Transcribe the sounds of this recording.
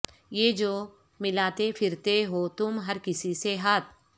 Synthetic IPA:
jeːd͡ʒoː | mɪlaːt̪epʰɪɾt̪eɦoːt̪ʊmɦɐɾkɪsiseɦaːt̪̚ʰ

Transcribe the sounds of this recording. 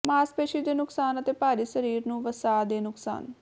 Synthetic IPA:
maːspeːʃid̪eːnʊksaːnət̪eːpaːɾiːsəɾiːɾnũːʋəsaːd̪eːnʊksa̰ːn

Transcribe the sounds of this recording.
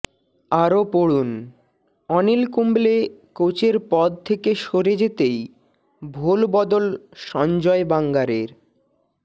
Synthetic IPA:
aɾopoɽun | ɔnilkumblekot͡ɕeɾpɔd̪̚t̪ʰekeʃoɾed͡ʑet̪ej | bʱolbɔd̪olʃɔnd͡ʑɔebaŋɡaɾeɾ

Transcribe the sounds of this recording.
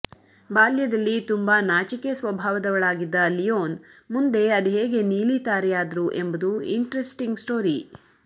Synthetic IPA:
baːljɐd̪ɐlːit̪umbanaːt͡ʃikesʋɐbʱaːʋɐd̪ɐʋɐɭaːɡid̪ːɐlijoːnmund̪e̞ɐd̪iɦeːɡe̞niːlit̪aːɾɛjaːd̪ɐɾuʔe̞mbɐd̪uḭɳʈɾesʈiŋɡsʈoːɾi

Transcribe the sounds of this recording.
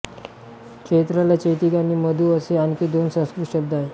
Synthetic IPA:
kʂet̪ɾalat͡ɕəjt̪ikaniːməd̪ʱuːəseankid̪onsə̃skɾit̪ɕəb̚d̪aɦe

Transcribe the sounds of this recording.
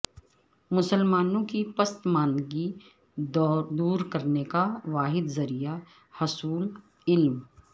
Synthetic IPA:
mʊsəlmaːnõkipɐst̪maːnɡi | d̪uːɾkɐɾnekaʋaːɦɪd̪zɐɾija | hʊsuːl | ɪlm

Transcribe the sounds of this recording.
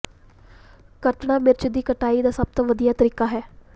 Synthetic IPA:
kəʈɳãːmɪɾt͡ʃd̪iːkəʈaːiːd̪aːsəb̚t̪õːʋəd̪ijaːt̪əɾiːkaːɦɛː

